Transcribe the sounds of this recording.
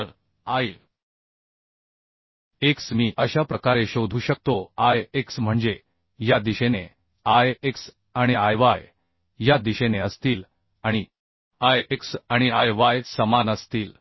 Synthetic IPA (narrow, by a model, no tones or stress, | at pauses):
ɾ | aj | eksmiːʔəɕapɾəkaɾeɕod̪ʱuːɕək̚t̪oajeksm̤əɳd͡ze | jad̪iɕene | ajeks | aɽ̃iajʋaj | jad̪iɕeneəst̪iːl | aɽ̃i | ajeksaɽ̃iajʋajsəmanəst̪iːl